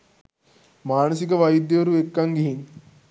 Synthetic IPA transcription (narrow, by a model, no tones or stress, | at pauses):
maːnəsikəʋɐjid̪jəʋɐɾuekːɐŋɡiɦin